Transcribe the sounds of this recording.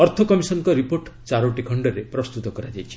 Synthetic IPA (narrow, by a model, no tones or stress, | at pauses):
ɔɾt̪ʰɔkɔmisɔnkɔɾipoɾʈt͡ʃaɾoʈikʰɔɳɖɔɾepɾɔst̪ut̪ɔkɔɾad͡ʒajt͡ʃʰi̥